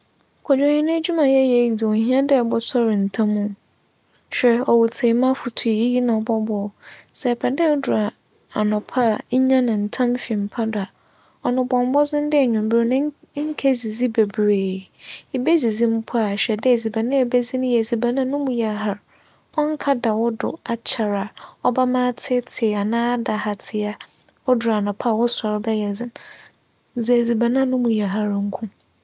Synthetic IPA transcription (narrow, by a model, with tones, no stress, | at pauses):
kʰɔ˨d͡ʑᶣã˨hɪ̃˨nɪ̃˦d͡ʑu˦mã˨jɛ˦jɛ˦˨dɪ˨ɔ˨ɦĩ˦ã˦dɪ˦˨bɔ˦sɔ˦ɾɪ˨n̩˨tʰã˦mũ˦ | ɕᶣɛ˨ɔ˨wʊ˨tʰe˨mã˦fʊ˨tʰu˨ji˦ji˦nã˨bɔ˦bɔ˦sɛ˨pʰɛ˨dɛ˦dʊ˨a˨ | a˨nɔ̃˨pʰa˦˨ɲ̩˦ɲã˦nɪ̃˨n̩˨tʰã˦mfi˨m̩˨pʰa˦da˨ | ɔ˨nʊ̃˨bɔ̃˨m˦bɔ˦zɪ̃˦n˦dɪ˦ɛ˨ɲũ˨m˨bɪ˦ɾnɪ̃˦ŋ̩˦kʰɛ˦zi˨zi˦be˨bɾeː˨i˨be˦zi˨zi˦m̩˦pʰʊ˦a˨ɕᶣɛ˨dɪ˦˨zi˨ba˨nã˦ɛ˨be˦zi˦nʊ̃˦jɛ˨zi˨ba˨nã˦nʊ̃˦mʊ̃˨ja˨ɦa˦ɾ | ɔ˦ŋ̩˦kʰa˦da˨wʊ˦dʊ̰˨a˨t͡ɕʰa˨ɾa˨ɔ˦ba˦mãː˦tʰɪ˦tʰɪ˨a˨nãː˦da˨ha˨tʰɪ˨a˨ | ɔ˦dʊ˨ɾa˨nʊ̃˨pʰa˦˨wʊ˦sɔ˨ɾbɛ˦jɛ˨zɪ̃˦ | zi˨zi˨ba˨nã˦nʊ̃˦mũ˨ja˨ɦa˦ɾŋ̩˦kʰũ˦